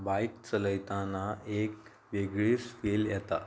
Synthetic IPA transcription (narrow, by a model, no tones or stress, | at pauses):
bajkt͡sələjt̪anaek | ʋeɡɭiːsfiljɛt̪a̰